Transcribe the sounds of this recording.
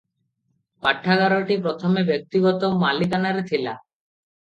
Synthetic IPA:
paʈʰːaɡaɾoʈipɾɔt̪ʰomebek̚t̪iɡɔt̪omalikanaɾet̪ʰila̰

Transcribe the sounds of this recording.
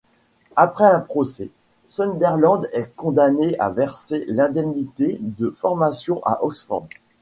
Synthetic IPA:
apχɛɛ̃pχɔsɛ̰ | sɔnd̪ɛʁlɑ̃d̪ɛkɔ̃d̪aneʔa̰vɛʁselɛ̃d̪ɛmnit̪ed̪əfɔʁmasjɔ̃ʔa̰ʔɔksfɔ̰ʁd̪

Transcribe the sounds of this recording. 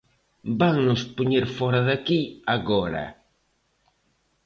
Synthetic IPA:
baŋnʊspoɲeɾfɔɾaðakiaɣɔɾa̰

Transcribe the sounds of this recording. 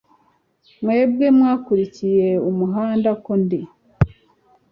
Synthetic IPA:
mwe̞ːb̚ɡe̞mwaːkuɾicije̞umuɦaːndakondi

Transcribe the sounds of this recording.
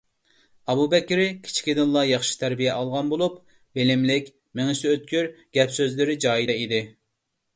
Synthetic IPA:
ɑbubɛkʲːɾɪkʲʰi̥t͡ʃʰi̥kʲid̪ɪnlˠɑjɑχʃi̥t̪ʰæɾbijɛʔɑlˠʁɑnbolˠup | belɪmlɪkʲ | mɪŋɪsɪøt̪̚kʲyɾɡ̥ʲɛpsøzlɪɾɪd͡ʒɑːjid̪ɛid̪ɪ

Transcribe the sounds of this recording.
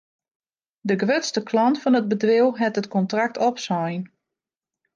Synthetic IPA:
dəɡəʋøtstəkʰlɔntfɔnəd̚bədʋɪlˠɦɛtətkɔntrak̚tʰɔpsɔjn

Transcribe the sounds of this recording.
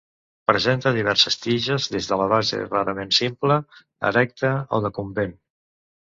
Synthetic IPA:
pɾəzent̪əðiβɛɾsəst̪iʒəzðezðələβ̞azḛraɾəmensimplə | ə̰ɾɛk̚t̪əo̰ðəkumben

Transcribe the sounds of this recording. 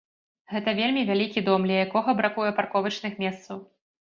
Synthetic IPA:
ɣɛt̪ɐvʲelʲmʲivʲalʲikʲid̪ɔmlʲɐjakɔɣɐbɾakujɛparkɔvɐt͡ʂnɨxmʲɛst̪sɐw

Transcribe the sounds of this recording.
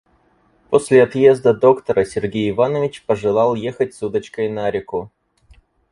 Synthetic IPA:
po̞sʲlʲɪɐt̪je̞zd̪əd̪o̞kt̪əɾəsʲɪrɡʲejɪvanəvʲɪt͡ɕpəʐɨlˠɑlˠjexət̚ʲsud̪ət͡ɕkəjnaɾʲɪkʊ

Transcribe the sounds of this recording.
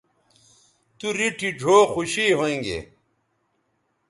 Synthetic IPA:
t̪uɾiʈʰid͡ʑʱoːxuɕiɦoẽŋɡḛ

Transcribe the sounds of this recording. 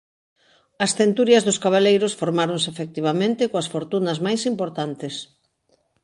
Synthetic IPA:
ɐsθent̪uɾjɐzðʊskaβ̞alejɾosfoɾmaɾonsefek̚t̪iβ̞amẽnt̪ɪkoasfoɾt̪unɐzmajsimpoɾt̪ant̪ɪs

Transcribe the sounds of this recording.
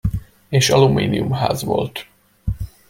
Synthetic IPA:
eːʃɒlumiːniumɦa̰ːzʋo̞̰lt̪

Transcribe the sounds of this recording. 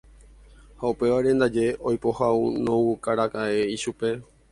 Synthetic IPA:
haupe̞ʋaɾẽ̞nd̪ad͡ʒe̞ʔojpo̞haunõwukaɾakaʔeiʃupe̞

